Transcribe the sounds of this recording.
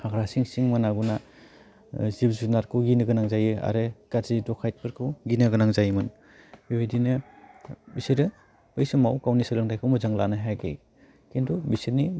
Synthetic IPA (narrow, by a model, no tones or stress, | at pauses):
haɡɾasiŋsiŋmɯnaɡuna | zibzunaɾkʰuɡinɯɡɯnaŋzajɯa̰ɾɯkaɾzidɔkʰajt̚pɯɾkʰuɡinɯɡɯnaŋzajɯmɯn | bibejdinɯ | bisiɾɯ | bɯjsɯmawkawnisɯlɯŋdajkʰɯwmɯzaŋla̰naɦajɡḛj | kendubisiɾni